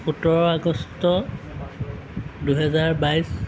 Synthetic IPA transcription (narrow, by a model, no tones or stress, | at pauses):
utɔɹɔaɡɔstɔ | duɦɛzaɹbajs